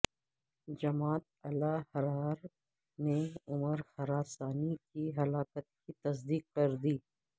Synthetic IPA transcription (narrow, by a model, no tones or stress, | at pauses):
d͡ʒɐmaːt̪̚ɐlahɐɾaːɾ | neʊməɾxɐɾaːsaːnikiɦɐlaːkət̪̚kit̪ɐsd̪iːk̚kːɐɾd̪iː